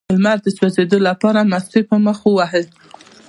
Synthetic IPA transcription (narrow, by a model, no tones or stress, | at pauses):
əlmaɾd̪ət͡ʃozed̪olapɑɾamast̪epəməxwəwaɦəl